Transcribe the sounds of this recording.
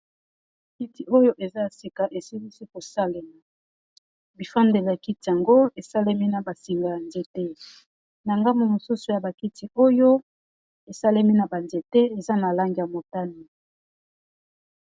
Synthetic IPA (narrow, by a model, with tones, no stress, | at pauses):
ki˦ti˨o˦jo˦ʔe˨za˦ja˨si˨ka˨ʔe˨si˦li˦si˦ko˨sa˦le˨la˨ | bi˨fa˦nde˨le˨a˨ki˦ti˨ja˨ŋɡo˦e˨sa˦le˦mi˦na˨ba˨si˨ŋɡa˨ja˨nze˨˦tɛ˦ | na˨ŋɡa˦mu˨mo˨su˦so˨ja˨ba˨ki˦ti˨ʔo˦jo˦ | e˨sa˦le˦mi˦na˨ba˨nze˨tɛ˦e˨za˦na˨la˦ŋɡi˨ja˨mo˨ta˦ni˨